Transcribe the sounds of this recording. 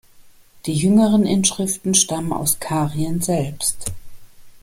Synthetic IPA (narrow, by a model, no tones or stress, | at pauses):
d̥iːjʏŋəʁənʔɪnʃʁ̥ɪftn̩ʃtaməna̰ʊskʰaːʁiənzɛlpst